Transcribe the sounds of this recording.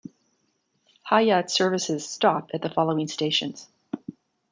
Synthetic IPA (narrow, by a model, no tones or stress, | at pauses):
haɪjɑtsɜ˞vɨsɨz̥stɑpɨt̪̚ðəfɑlˠoʊɪ̃ŋsteɪʃɨ̰̃nz̥